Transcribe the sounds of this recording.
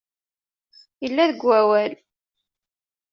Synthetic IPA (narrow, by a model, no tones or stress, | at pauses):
jəlːæðəɡʷːæwæl